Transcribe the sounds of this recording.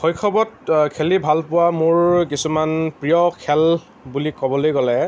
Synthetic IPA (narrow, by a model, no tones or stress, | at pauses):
xɔjkʰɔbɔt̚kʰelibʱalpʊwamʊɹkisumanpɹijɔkʰɛl | bulikɔbɔlojɡɔlɛ